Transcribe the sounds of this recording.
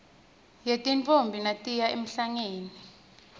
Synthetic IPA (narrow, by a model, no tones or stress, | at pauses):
jetʼint͡fʰʼombʱinatʼijaem̩ɬaŋeːni